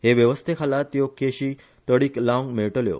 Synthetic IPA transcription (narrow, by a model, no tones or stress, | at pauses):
ɦeʋjəʋəst̪ʰekʰalat̪jokeɕiː | t̪əɽiːklãŋɡmeɭʈəljo̰